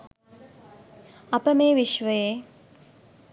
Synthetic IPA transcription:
ɐpəmeːʋiʃʋəje

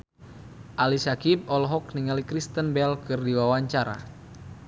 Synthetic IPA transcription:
ʔalisakib̚ɔlɦɔk̚niŋalikɾist̪ənbɛlkɨrdiwawaɲt͡ʃaɾa̰

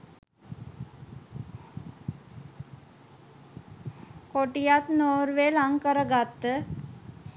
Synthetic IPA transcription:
koʈijat̪noːɾʋelaŋkəɾəɡat̪ːə

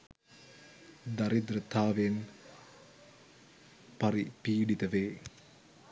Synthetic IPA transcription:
d̪ɐɾid̪ɾɨt̪ʰːaːʋeːn | pɐɾipiːɽit̪ɐʋeː

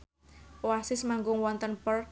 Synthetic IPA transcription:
wasɪsmaŋɡʊŋwɔnt̪ənpər

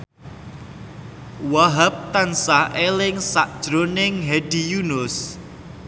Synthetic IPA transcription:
waɦap̚t̪ansaʔelɪŋsaʔd̥ʒ̥ɾonɪŋɦɛɖ̥ijunʊs

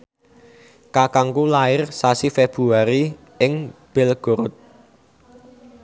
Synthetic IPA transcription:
kakaŋkulaɪrsasifeb̥ɾuaɾi | ɪŋb̥ɪlɡ̥oɾʊt̪̚

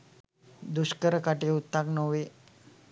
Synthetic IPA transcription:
d̪uɕkəɾəkaʈeut̪ːaknoʋe

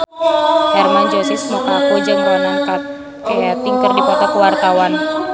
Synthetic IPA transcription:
hɛrmand͡ʒɔsɪsəmokakod͡ʒəŋɾɔnakat̪̚ | kajat̪iŋkərdikɔk̪akəwart̪awan

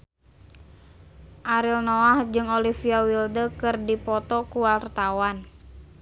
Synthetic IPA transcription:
ʔaɾilnɔahd͡ʒɨŋolifiawildəkɨrdipɔt̪ɔkuwart̪awan

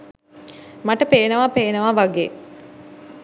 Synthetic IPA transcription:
maʈəpeːnəʋapeːnəʋaʋaɡeː

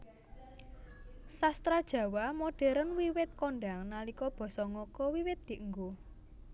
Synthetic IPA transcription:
sast̪ɾad̥ʒ̥ä̤wamoɖ̥ɛ̤ɾənwiwɪt̪̚koɳɖaŋnalikɔb̥ɔ̤sɔŋɔkɔwiwɪt̪̚d̪̥i̤ʔəŋɡo

